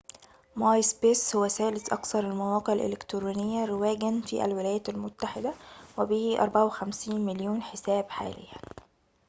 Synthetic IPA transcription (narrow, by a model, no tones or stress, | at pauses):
mɑːjsbeːshʊwːæsæːlɪsʔɑ̰kθɑɾˤalmæwɑːqeʕalʔḛlɪkt̪ɾuːnɪjːæɾɪwæːɡænfḭːʔæ̰lwɪlæːjæːælmʊt̪ːaħɪd̪æwɪbiːhiʔɑɾˤbaʕawɪxæmsiːnmɪljuːnħɪsæːbħa̰ːlɪ̰jːæ